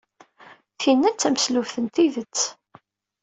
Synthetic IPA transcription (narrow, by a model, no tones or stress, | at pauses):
θinːæt͡sːæmslufθənt̪iðət͡sː